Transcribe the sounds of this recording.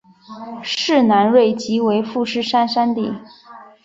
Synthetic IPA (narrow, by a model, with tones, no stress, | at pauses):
ʂɻ̩˥˩na˧˥nɻwe˥˩ɪt͡ɕi˧˥we˧˥ɪfu˥˧ʂɻ̩˥˩ʂa˥nʂa˥nt̪ḭ˥˩